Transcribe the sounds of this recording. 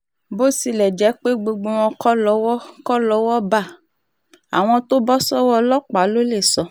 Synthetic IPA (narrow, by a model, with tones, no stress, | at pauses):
bo˦si˧lɛ˨d͡ʒɛ˨˦k͡pe˦ɡ͡bo˧ɡ͡bo˧w̃ɔ̃˧kɔ˦lɔ˨˦wɔ˦kɔ˦lɔ˨˦wɔ˦ba˦˨ | a̰˨w̃ɔ̃˧to˦bɔ˦sɔ˦wɔ˦lɔ˦k͡pa˨˦lo˦le˦˨sɔ˧